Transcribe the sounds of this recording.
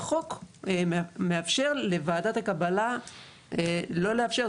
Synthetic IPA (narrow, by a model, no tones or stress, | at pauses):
χo̞k | meafʃe̞ʁlevaːd̪at̪akabala | elo̞leafʃe̞ʁ